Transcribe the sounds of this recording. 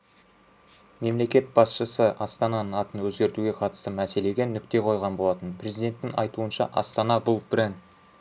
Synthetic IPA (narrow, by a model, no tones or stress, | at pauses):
me̞mle̞kʲe̞t̪̚b̥ɑsʃəsəʔɑst̪ɑnɑnəŋɑt̪ənwɵzɡʲe̞ɾt̪uɡʲe̞qʰɑt̪əst̪əmæse̞le̞ɡʲe̞nʏk̚t̪e̞qʰo̞jʁɑnbo̞lˠɑt̪ənpʰrʲe̞zijd̪e̞nt̪ːɪŋɑ̰jt̪uənʃɑ̰ʔɑ̰st̪ɑnɑbʊlˠbɾen